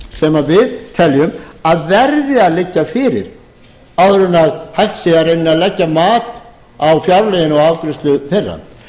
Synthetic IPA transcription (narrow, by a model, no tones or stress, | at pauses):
sɛmavɪðt̪ʰɛljʏmaðvɛɾðɪaðlɪcːafɪːɾɪ̰ɾ | awɾʏnːaðhɛxt̪siɣaɾenːɪaðlɛcːamaːt̪ | awfjaɾlɛjɪnɔɣaːwkɾɪst̪lʏθɛrːa̰n